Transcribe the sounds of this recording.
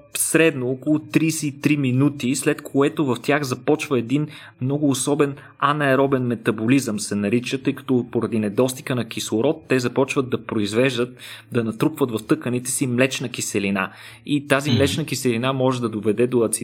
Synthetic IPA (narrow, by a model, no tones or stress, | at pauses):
sɾɛd̪noɔkolˠʊt̪ɾiːsɛt̪ɾiminut̪islɛt̪kʰoɛt̪ovɐft̪ʲjaxzɐpɔt͡ʃvəɛd̪in | mnɔɡʊːsɔbɛn | anɐɛɾɔbɛnmɛt̪ɐbolizəmsɛnɐɾit͡ʃət̪ɤjkɐ̥t̪ɔpoɾɐd̪inɛd̪ɔst̪i̥kənɐk̟islˠʊɾɔt̪ːɛzɐpɔt͡ʃvəd̪̚ːɐpɾoizvɛʒd̪ət̪̚d̪ɐnɐt̪ɾukvət̪vɐft̪ɤkənit̪ɛ̥simlɛt͡ʃnɐkisɛlina̰ | it̪azimlɛt͡ʃnəkisɛlinamɔʒɛd̪ɐd̪ovɛd̪ɛd̪oɐt̪si